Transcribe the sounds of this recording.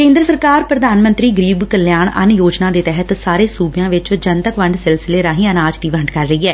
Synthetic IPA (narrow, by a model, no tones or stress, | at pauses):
kẽːnd̪ɾəsəɾkaːɾpɾəd̪aːnmə̃nt̪ɾiːɡəɾiːbkəljaːɳə̰njoːd͡ʒnãːd̪eːt̪ɛɦət̪saːɾeːsuːbjãːʋɪt͡ʃd͡ʒənt̪əkʋəɳɖsɪlsɪleːɾãːɦĩːənaːd͡ʒd̪iːʋəɳɖkəɾːəiːɛː